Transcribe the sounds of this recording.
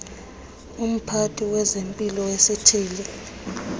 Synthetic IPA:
um̩pʰatʰʼiwɛzempʼilɔwesitʰiːli

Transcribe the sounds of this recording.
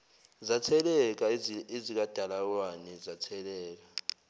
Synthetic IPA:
zat͡sʰɛlɛk̬aezik̬ad̥ʱalak̬wanɛzat͡sʰɛlɛːk̬a

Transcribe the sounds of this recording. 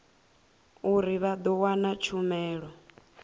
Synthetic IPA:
uɾiβad̪ɔwanat͡ʃʰumɛːɺɔ

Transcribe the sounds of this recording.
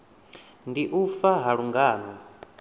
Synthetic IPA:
ndiʔufaɦaɺuŋɡaːnɔ

